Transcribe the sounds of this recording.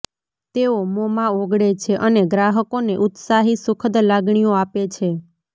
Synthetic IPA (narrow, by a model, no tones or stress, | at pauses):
t̪eomɔmãoɡɽet͡ʃʰeʔəneɡɾaɦəkoneʔut̪saɦisʊkʰəd̪laɡɳ̃ijoapet͡ʃʰe